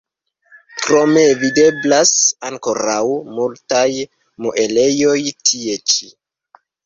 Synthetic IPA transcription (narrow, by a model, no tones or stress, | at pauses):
kɾo̞me̞vide̞blasaŋko̞ɾawmultaj | muʔe̞le̞jo̞jtʰie̞t͡ʃi̥